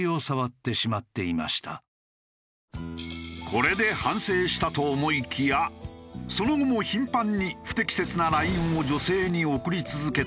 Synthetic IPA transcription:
io̞saβat̪ːe̞ɕimat̪ːe̞ima̰ɕi̥t̪ʰa | kʰo̞ɾe̞d̪e̞hãɰ̃se̞ːɕi̥t̪at̪o̞ːmo̞ikʲʰijaso̞no̞ɡomo̞çĩmpãɲ̟ːiɸɯ̟̥t̪e̞kʲi̥se̞t͡sɨnaɾaĩɰ̃od͡ʑo̞se̞ːɲ̟io̞kɯ̟ɾʲit͡sɨzɨke̞

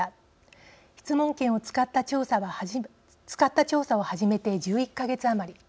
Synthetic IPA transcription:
çʲi̥t͡sɨmõ̞ŋkẽ̞ɰ̃o̞t͡sɨ̥kat̪ːat͡ɕo̞ːsaβa | t͡sɨ̥kat̪ːat͡ɕo̞ːsao̞haʑime̞t̪e̞d͡ʑɨːikːaɡe̞t͡sɨamaɾʲi

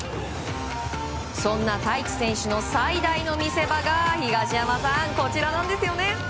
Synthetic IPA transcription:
sõ̞nːat̪aiki̥sẽ̞ɰ̃ɕɨno̞said̪aino̞mʲise̞baɡaçiɡaɕiamasãŋko̞t͡ɕiɾanãnd̪e̞sɨjo̞ne̞

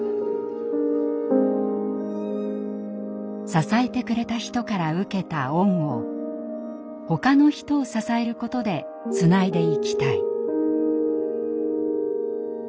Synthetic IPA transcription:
sasae̞t̪e̞kɯ̟ɾe̞t̪açi̥t̪o̞kaɾaɯ̟ke̞t̪aõ̞ŋ̃o̞ | ho̞kano̞çi̥t̪o̞ːsasae̞ɾɯ̟ko̞t̪o̞d̪e̞ | t͡sɨnaid̪e̞ikʲi̥t̪ai

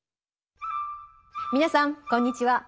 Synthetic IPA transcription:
mʲinasãŋkõɲ̟ːit͡ɕiwa

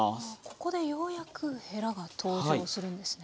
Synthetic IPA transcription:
ko̞̥ko̞d̪e̞jo̞ːjakʰɯ̟he̞ɾaɡat̪ʰo̞ːʑoːsɨɾɯ̟̃nd̪e̞sɨ̥ne

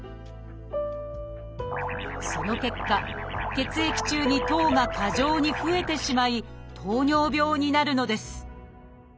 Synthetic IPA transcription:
so̞no̞ke̞kːake̞t͡sɨe̞kʲi̥t͡ɕɨːɲ̟it̪o̞ːŋakʰaʑo̞ːɲ̟iɸɯ̟e̞t̪e̞ɕimait̪ʰo̞ːɲo̞ːbʲo̞ːɲ̟inaɾɯ̟no̞d̪e̞sɨ̥

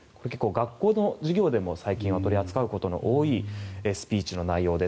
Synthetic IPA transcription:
ko̞ɾeke̞kːoːɡakːo̞ːno̞ʑiɡʲo̞ːd̪e̞mo̞saikʲĩɰ̃at̪o̞ɾʲiat͡sɨ̥kaɯ̟ko̞t̪o̞no̰ʔoːiesɨ̥pʲiːt͡ɕino̞naijo̞ːd̪e̞

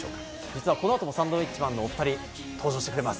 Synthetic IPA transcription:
o̰ːkḁ | d͡ʑit͡sɨβako̞no̞at̪o̞mo̞sãnd̪oːit͡ɕimãnːo̞ːɸɯ̟̥t̪aɾʲi | t̪ʰo̞ːd͡ʑo̞ːɕi̥te̞kɯɾe̞masɨ̥

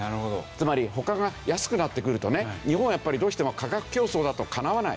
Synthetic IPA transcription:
naɾɯ̟hod̪o̰t͡sɨmaɾʲiho̞kaɡajasɨ̥kɯ̟nat̪ːe̞kɯ̟ɾɯ̟t̪o̞neɲ̟ihõɰ̃japːaɾʲid̪oːɕi̥t̪e̞mokaɡakɯ̟̥kʲo̞ːso̞ːd̪at̪o̞kʰanaβana̰ḭ

